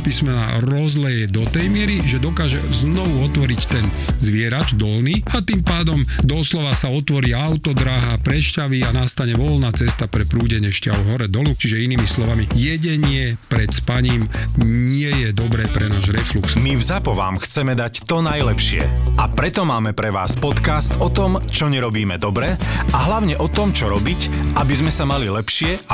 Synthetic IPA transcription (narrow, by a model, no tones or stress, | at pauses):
piːsmɛna̰ɾɔzlɛjɛd̪ɔt̪ɛjmɪɛɾiʒɛd̪ɔkaːʒɛ̰znɔʋuɔt̪ʋɔɾict̪ɛn | zʋɪɛɾad͡ʒd̪ɔlniːat̪iːmpaːd̪ɔmd̪ɔslɔʋasaɔt̪ʋɔɾiːawt̪ɔd̪ɾaɦapɾɛʃcaʋianast̪aɲɛʋɔlnaːt͡sɛst̪apɾɛpɾuːɟɛɲɪɛʃca̰ʋɔɦɔɾɛd̪ɔlut͡ʃiʒɛiniːmislɔʋamijɛɟɛɲɪɛpɾɛt̪spaɲiːmɲɪɛjɛd̪ɔbɾɛːpɾɛnaːʒɾɛfluksmivzapɔʋa̰ːmxt͡sɛmɛd̪act̪ɔnajlɛpʃɪɛ̰apɾɛt̪ɔmaːmɛpɾɛʋa̰ːspɔt̪kast̪ɔt̪ɔmt͡ʃɔɲɛɾɔbiːmɛd̪ɔbɾɛaɦlaʊɲɛʔɔt̪ɔmt͡ʃɔɾɔbicʔabizmɛsamalilɛpʃɪɛa